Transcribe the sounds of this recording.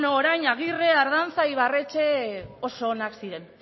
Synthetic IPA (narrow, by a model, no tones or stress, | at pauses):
noːɾajɲaɣireaɾðant͡sajβ̞are̞t͡ʃe̞o̞soːnaksiɾe̞n